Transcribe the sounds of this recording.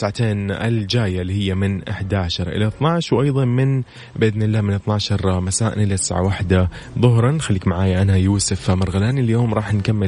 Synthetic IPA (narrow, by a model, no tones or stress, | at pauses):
ʕat̪eːnʔɪ̰ld͡ʒaːjalːihɪjːamɪnʔaħd̪aʕaʃɑɾˤʔɪ̰laʔθnɑʕʃwʔɑjðˤɑnmɪn | bɪʔɪðnɪlːaːmɪnɨθˤnaʕʃɑɾˤmasaːʔɪ̰nʔɪlat̪ɪ̥sʕa̰waħd̪aðˤʊɦɾˤɑnxalːiːkmaʕaːjaʔanhajuːsɪfmɑɾˤɣalaːniljoːmɾˤɑːħnkamːɪ